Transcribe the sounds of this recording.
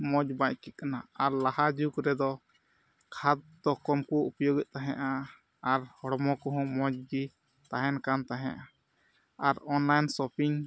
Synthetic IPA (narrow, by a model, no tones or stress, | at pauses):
mɔd͡ʒbaɲ̚kɛt̪̚kanaaɾlahad͡ʒukɾɛd̪ɔ | kʰat̪̚d̪ɔkɔmkuʔupɔjɔɡɛʔ̪̚ˀt̪aɦɛ̃ʔa | aɾhɔɽmɔkɔɦɔ̃mɔd͡ʒd͡ʒi | t̪aɦɛnkant̪aɦɛ̰̃ʔa | aɾɔnlajnsɔpiɲ